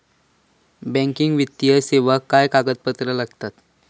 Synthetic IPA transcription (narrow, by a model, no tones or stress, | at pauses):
bɛ̃ŋkiŋɡʋit̪ːijəseʋəkːajkaɡət̪̚pət̪ɾəlaɡt̪at̪